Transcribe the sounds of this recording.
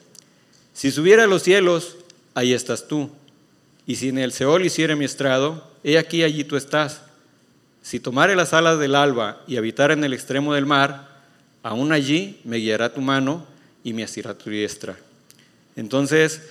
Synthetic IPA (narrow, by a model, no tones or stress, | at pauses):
sisuβ̞je̞ɾealo̞sːje̞lo̞s | aie̞st̪ast̪u | isiene̞lse̞o̞lisje̞ɾemie̞st̪ɾaðo̞ | e̞akiaʝit̪ue̞st̪asː | it̪o̞maɾe̞lasalazðe̞lalβaiaβ̞it̪aɾe̞ne̞lekst̪ɾe̞mo̞ð̞e̞lmaɾ | aunaʝime̞ɣiaɾat̪umãno̞ | imeasiɾat̪uðje̞st̪ɾa̰ | ent̪o̞nses